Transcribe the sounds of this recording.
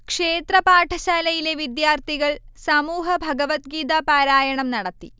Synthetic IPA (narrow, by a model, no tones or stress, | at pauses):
kʂe̞ːt̪rɐpaːʈʰɐɕaːlɐjile̞ʋid̪jaːrt̪iɣɐɭsɐmuːɦɐbʱɐɡɐʋɐt̪ɡiːd̪apaːɾaːjɐɳɐmnɐɽɐt̪ːi